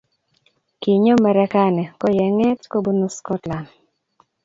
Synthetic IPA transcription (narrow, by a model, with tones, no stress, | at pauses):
ki˨ɲo˦mɛ˨ɾɛ˦ka˦nɛ˨kɔ˦jɛ˨ŋɛ˦tko˦bu˦no˦skɔ˦tla˨n